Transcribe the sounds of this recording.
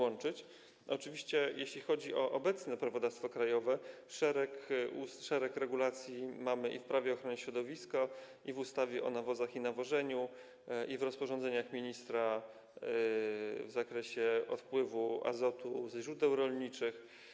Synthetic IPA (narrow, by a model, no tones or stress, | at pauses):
wɔnt͡ʂɘt͡ɕ | ʔɔt͡ʂɘvʲiɕt͡ɕɛjʔeɕlʲixɔd͡ʑiʔɔʔɔbɛt̪snɛpɾavɔd̪afst̪fɔkɾajɔvɛ | ʂɛɾɛkusʂɛɾɛkɾɛɡulat̪sʲjimamɘʔḭfpɾavʲɛɔxɾɔɲɛɕɾɔd̪ɔvʲiska | ivust̪avʲjɛʔɔ̰navɔzaxinavɔʐɛɲu | ʔivɾɔspɔʐɔnd̪zɛɲaxmʲiɲist̪ɾa | vzakɾɛɕɛɔ̰t̪pwɘvua̰zɔt̪uzʑɾud̪ɛwɾɔlɲit͡ʂɘx